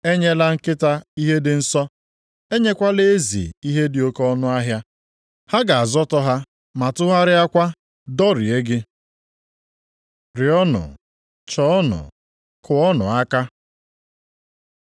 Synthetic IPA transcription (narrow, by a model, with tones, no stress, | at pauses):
e˦ɲe˦la˦ŋ̩˦kɪ˦ta˦i˦ɦe˦dɪ˨n̩˦sɔ˦ | e˦ɲe˦kʷa˦le˦e˦zḭ˨i˦ɦe˦dɪ˨o˦kɔ˦nʊ˦a˦ɦja˦ | ha˦ɡa˨a˨zɔ˦tɔ˦ɦa˦ | ma˨tʊ˦ɦa˦ɾɪ˦a˦kʷa˦ | dɔ˦ɾɪ˨e˦ɡɪ˦ | ɾɪ˨ɔ˦nʊ̰˨ | t͡ʃɔ˦ɔ˦nʊ̰˨ | kʰʊ˨ɔ˦nʊ̰˨a˦ka˦